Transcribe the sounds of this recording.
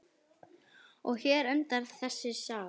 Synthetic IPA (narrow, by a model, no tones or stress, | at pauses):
ɔɣçɛːɾœnt̪aɾðθɛsːɪsaː